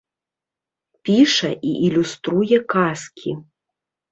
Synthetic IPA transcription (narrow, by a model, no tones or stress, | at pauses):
pʲiʂɛʔiʔilʲust̪ɾujɛkaskʲʰi